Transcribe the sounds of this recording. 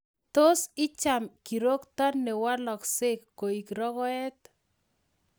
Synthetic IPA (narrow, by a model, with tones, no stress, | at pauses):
to˦sɪ˦t͡ʃa˨mki˨ɾo˦kt̪ɔ˦nɛ˨wa˦lɔ˨kse˦kːo˨i˨kɾɔ˦kɔ˦ɛ˦t̪